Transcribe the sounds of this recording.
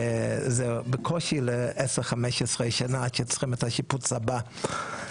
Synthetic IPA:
zebekʰoʃileʔeseʁχameʃesʁeʃanaaʃet͡sχimethaʃiput͡saba

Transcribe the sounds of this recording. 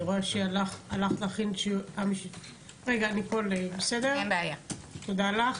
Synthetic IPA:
ʁoeʃealaχalaχlaχinʃeamiʃit | ʁeɡaːniko̞lebesedeɛnbeajat̪od̪alaχ

